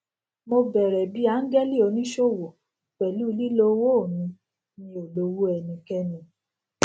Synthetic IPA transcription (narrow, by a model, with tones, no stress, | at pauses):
mo˧bɛ˨ɾɛ˨bi˦a˨˦n̩˦ɡɛ˦li˦o˧nĩ˦ʃo˦˨wo˨ | k͡pɛ˨lu˦˧li˦lo˦wo˦˨nĩ˧˦ | nĩ˧˦o˨lo˧wu˦ɛ˧˨nĩ˧kɛ˦nĩ˧